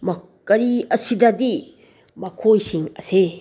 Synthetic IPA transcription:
mɐ | kɐɾiɐsidɐdi | mɐkʰojsiŋɐse

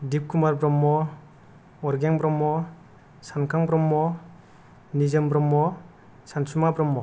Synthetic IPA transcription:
dip̚kʰumaɾbɾɔmːɔ | ɔɾɡjaŋbɾɔmːɔ | sankʰaŋbɾɔmːɔ | nizɯmbɾɔmːɔ | sansumabɾɔmːɔ

